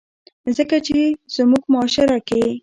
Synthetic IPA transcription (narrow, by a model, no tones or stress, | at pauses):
zəkat͡ʃez̥muɡmʊɑʃɪɾake